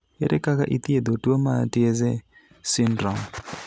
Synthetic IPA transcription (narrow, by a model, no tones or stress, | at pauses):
ɛɾɛkaka̰ʔit̪ied̪otuɔmatiɛzɛ | sindrɔŋ